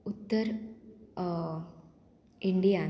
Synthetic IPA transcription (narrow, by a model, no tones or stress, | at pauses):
ut̪ːɐɾ | iɳɖijaːn